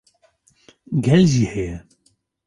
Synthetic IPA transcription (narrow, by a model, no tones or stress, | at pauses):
ɡɛlzihɛjɛ